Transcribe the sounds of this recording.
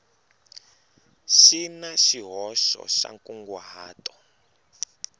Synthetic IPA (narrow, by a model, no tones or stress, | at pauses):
ʃinaʃiɦɔʃɔ̰ʃa̰ŋkuŋɡwaɦaːtʼɔ̥